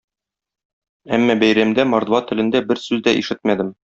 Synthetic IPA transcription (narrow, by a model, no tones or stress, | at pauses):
æmːɑbæjɾæmd̪æmɒɾd̪vɑt̪ɘ̆lɘ̆nd̪æbɘɾsʉzd̪æʔiʃɘt̪mæd̪ɘm